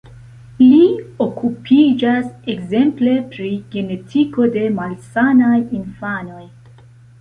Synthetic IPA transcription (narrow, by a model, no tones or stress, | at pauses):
lio̞kʰupʰid͡ʒasekze̞mple̞pɾiɡe̞ne̞tʰiko̞de̞malsanajinfano̞j